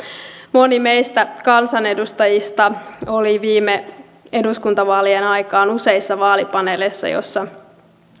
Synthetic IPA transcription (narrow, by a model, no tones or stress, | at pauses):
mo̞nimejst̪ækɑnsɑne̞dust̪ɑjist̪ɑo̞liʋiːme | e̞duskunt̪ɑʋɑːlienɑjkɑːnuse̞isːɑʋɑːlipɑnelesːɑ̰jo̰sːɑ